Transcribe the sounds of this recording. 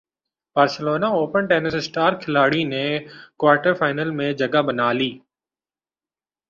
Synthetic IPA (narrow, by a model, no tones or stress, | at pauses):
b̥aːɾsəloːnaoːpənʈeːnəsɪsʈaːɾkʰɪlaːɽinɛ̃kwaːɾʈəɾfaːɪnəlmẽd͡ʒɐɡabɐnaːliː